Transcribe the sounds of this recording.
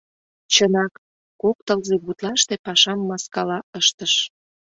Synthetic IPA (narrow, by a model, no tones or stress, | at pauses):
t͡ɕənɑk | kok̚t̪əlzeɣut̪lɑʃt̪epɑʃɑmːɑskɑlɑəʃt̪əʃ